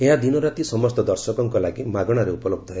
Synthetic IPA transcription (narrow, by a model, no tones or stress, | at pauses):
eɦad̪inɔɾat̪isɔmɔst̪ɔd̪ɔɾsɔkɔŋkɔlaɡimaɡɔɽ̃aɾeupɔloɡ̚d̪ʱɔɦe